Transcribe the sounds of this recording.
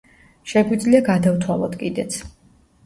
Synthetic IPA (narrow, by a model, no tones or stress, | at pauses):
ʃɛɡwid̪zliaɡad̪aft̪ʰwalˠɔt̪ʰkʼid̪ɛt̪sʰ